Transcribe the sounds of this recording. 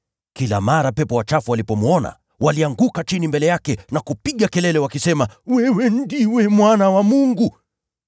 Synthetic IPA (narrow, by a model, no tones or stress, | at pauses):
kila̰maɾapɛpɔwat͡ʃafualipɔmuɔna̰ | waliaŋɡukat͡ʃinimbɛlɛjakɛnakupiɠakɛlɛlɛwakisɛmawɛwɛn̩diwɛmwanawamuŋɡu